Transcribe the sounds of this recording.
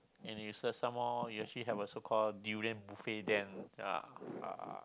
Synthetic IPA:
ɛ̃njusəsãmhɔjuɛk̚t͡ʃuliɦɛvəsokʰɔlduɹiə̃nbufedɛ̃na̰a̰

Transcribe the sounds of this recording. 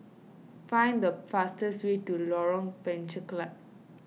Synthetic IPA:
fãj̃ndəfastəswetulɔɹɔ̃ŋpɛ̃nt͡ʃəklap̚

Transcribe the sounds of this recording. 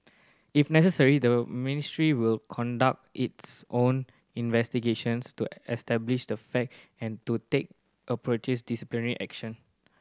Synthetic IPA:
ifnɛsəsəɹidəministɹiwilkʰɔ̃ndak̚titsʔõn | ĩnvɛstiɡeʃə̃nstuɛstɛbliʃdəfɛk̚ɛ̃ntutek̚ | ʔəpɹot͡ʃɛsdisiplinəɹiʔɛkʃə̃n

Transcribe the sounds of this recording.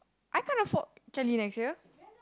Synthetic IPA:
ʔajkãnɔfɔt̚kɛljunɛkstjə

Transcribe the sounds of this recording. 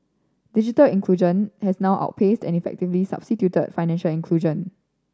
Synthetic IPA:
did͡ʒitəlĩŋkʰluʒə̃nhɛsnaʊʔa̰ʊt̚pʰestɛ̰̃nifɛ̰k̚tivlisa̰b̥stitjutə̰dfaɪnɛ̃nʃəlĩnkʰluʒə̃n

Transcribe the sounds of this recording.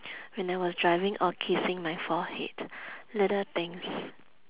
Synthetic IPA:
wɛ̃najwɔsdɹaɪvɪ̃ŋʔɔkʰisɪ̃ŋmajfɔhḛtlɛdət̪ɛ̃ŋs

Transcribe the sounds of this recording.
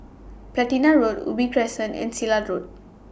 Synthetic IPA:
plɛtinaɹodṵbipʰɹɛsə̃nɛ̰̃nsiladɹod̚

